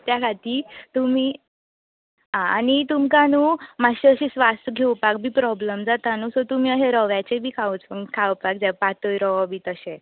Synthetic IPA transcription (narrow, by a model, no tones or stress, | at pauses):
t̪jakʰat̪iːt̪umiː | ɦãanit̪umkanumaɕiəɕisʋast̪əɡʱewpak̚bʱiːpɾɔbləmd͡zat̪anusɔt̪um̤iːəɦeɾɔʋjat͡ɕebʱiːkʰaut͡spəŋkʰawpak̚d͡zɛpat̪əjɾɔʋabʱiːt̪əɕẽ